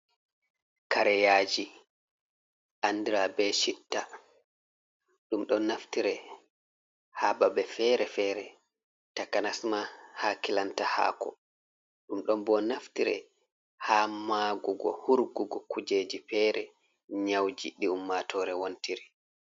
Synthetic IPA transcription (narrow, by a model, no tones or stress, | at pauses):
kaɾɛjaːd͡ʒi | ʔandiɾabɛʃitːa | ɗumɗɔnaftiɾɛ | hababɛfɛɾɛfɛɾɛ | takanasmahakilantaha̰ːkɔ̰ | ɗumɗɔmbɔnaftiɾɛ̰ | hamaɡuɡɔ̰huɾɡuɡɔkʰud͡ʒeːd͡ʒifɛɾɛ | ɲawd͡ʒiɗiumːatʰɔːɾɛwontiɾi